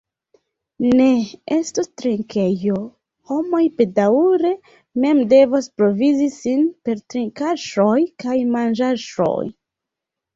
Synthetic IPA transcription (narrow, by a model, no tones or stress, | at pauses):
ne̞estostɾiŋke̞jo̞ | ho̞mo̞jpe̞dauɾe̞ | me̞mde̞vospɾo̞vizisinpe̞ɾtɾiŋkaʃo̞jkajmand͡ʒaʃo̞̰j